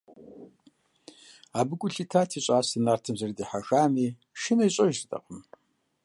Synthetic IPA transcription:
aːbɨkʷʼʊɬiːtʰaːtʰiːɕʼaːsɨnaːrtʰɨmzɐrdiːħaxaːmiː | ʃɪnɐjɕʼɐʒɪtʼɐ̰qəm

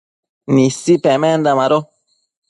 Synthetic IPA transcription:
nisːipɛmɛnd̪amaɾo

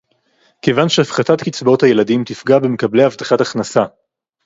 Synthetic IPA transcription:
ke̞vanʃeafχatatkit͡sbo̞thaje̞ladimt̪ifɡabemekablejavt̪aχataχnasa

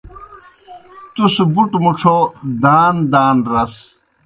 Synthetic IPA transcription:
t̪usubuʈmuʈ͡ʂʰod̪aːnd̪aːnɾɐs

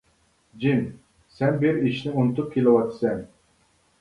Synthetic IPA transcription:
d͡ʒim | sɛnbɪɾiʃnɪunɨt̪up̚kʲʰelɪwɑt̪ʰsɛn

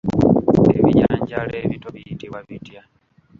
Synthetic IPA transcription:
eβiɲaːɲɟaleβitoβiitiwaβitija

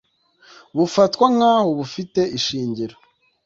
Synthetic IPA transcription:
βufatkwamŋhaːho̞βufite̞ʔiʃiːɲɟiɾo

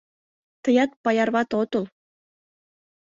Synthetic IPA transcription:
t̪ɤ̆jɑt̪̚pɑjɑrβɑt̪ot̪ulˠ

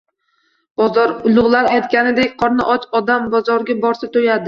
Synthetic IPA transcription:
b̥ɒzɒɾʊlˠʊʁlˠaɾajt̪kʲanɪd̪ekʲqʰɒɾna̰ʔɒt͡ʃɒd̪ambɒzɒɾɡʲabɒɾsat̪ʰojad̪ɪ

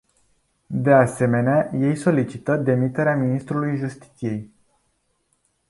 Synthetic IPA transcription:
d̪ease̞me̞neaje̞jso̞lit͡ʃit̪əd̪e̞mit̪e̞ɾeaminist̪ɾulujʒust̪i̥t̪sije̞j

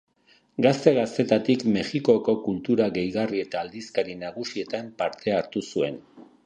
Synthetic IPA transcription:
ɡast̪e̞ɣast̪e̞t̪at̪ikme̞xiko̞ko̞kult̪uɾaɣe̞jɣarie̞t̪aːld̪iskaɾinaɣ̞usie̞t̪ampaɾt̪e̞aɾt̪usue̞n

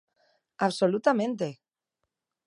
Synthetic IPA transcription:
aβsolut̪amẽnt̪e

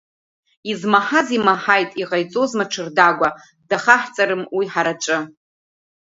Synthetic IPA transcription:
izmaħazimaħajtʼiʁajt͡sʼozmaʈ͡ʂʰɨrdaɡʷa | d̥aχaħt͡sʼaɾɨmwiħaɾat͡ʃʷʼɨ

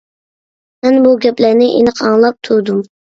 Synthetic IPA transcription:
mɛnbuɡʲɛplæɾnɪʔḛnəqʰɑŋlˠɑp̚t̪ʰuɾd̪um

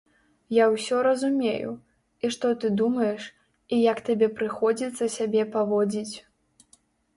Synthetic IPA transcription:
jawsʲɔɾɐzumʲejṵ | iʂt̪ɔt̪ɨd̪umɐjɛʂ | ijakt̪abʲɛpɾɨxɔd͡zʲit̪sːɐsʲabʲɛpavɔd͡zʲit͡sʲ

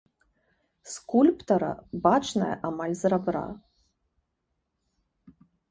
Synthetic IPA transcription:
skulʲpt̪ɐɾɐ̰bat͡ʂnɐjɐ̰ʔamalʲzrabɾa̰

